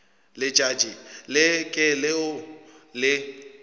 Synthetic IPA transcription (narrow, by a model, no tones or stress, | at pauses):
lɪt͡ʃʼad͡ʒʼilɪkʼɪlɪʊlɪ